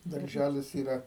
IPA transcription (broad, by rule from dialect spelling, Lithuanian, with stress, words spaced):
dɐrʲˈʒʲælʲɪs iːˈrɐ